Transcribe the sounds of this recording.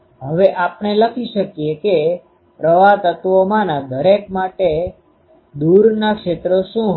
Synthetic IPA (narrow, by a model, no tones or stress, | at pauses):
ɦəʋeʔapneləkʰiʃəkjeke | pɾəʋat̪ət̪ʋomãnad̪ʱəɾekmaʈe | d̪uɾnakʃet̪ɾoʃũ